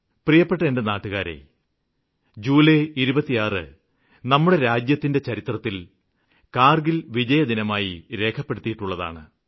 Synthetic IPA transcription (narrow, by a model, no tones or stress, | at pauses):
prijɐpːe̞ʈːɐendenaːʈːuɣaːɾḛ | d͡ʑuːleiɾubɐt̪ːijaːrɨ̰ | nɐmːuɽe̞ɾaːd͡ʑjɐt̪ːinde̞t͡ɕɐɾit̪rɐt̪ːil | kaːrɡilʋid͡ʑɐjɐd̪inɐmaːjiɾe̞ːkʰɐpːe̞ɽut̪ːijiʈːuɭːɐða̰ːɳɨ̰